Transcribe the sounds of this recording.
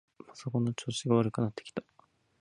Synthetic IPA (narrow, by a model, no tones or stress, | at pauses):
pḁso̞konːot͡ɕoːɕiɡaβaɾɯ̟kɯ̟nat̪ːekʲi̥t̪ḁ